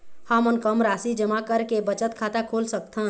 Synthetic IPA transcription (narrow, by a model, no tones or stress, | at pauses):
hãmənkəmɾaːsid͡ʒəmakəɾkebət͡ʃət̪kʰaːt̪akʰolsək̚t̪ʰən